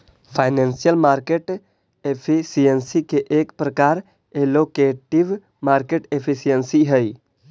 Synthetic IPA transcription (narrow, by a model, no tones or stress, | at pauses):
pʰaːɪnẽːnsijəlmaːɾkeʈ | epʰisiənsikeʔeːkpɾəkaːɾ | eloːkeːʈɪʋ | maːɾkeːʈepʰisijənsiɦəi